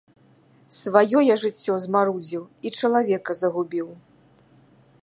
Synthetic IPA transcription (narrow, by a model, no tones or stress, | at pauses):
svajɔjaʐɨt͡sʲːɔzmaɾud͡zʲiwit͡ʂɐlˠavʲɛkɐzɐɣubʲiw